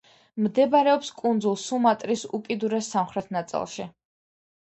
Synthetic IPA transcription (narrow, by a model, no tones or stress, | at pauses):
md̪ɛbaɾɛɔpskʼund̪zulˠsumat̪ʼɾisṵkʼid̪uɾɛsːamχɾɛt̪ʰnat̪sʼḭlˠʃi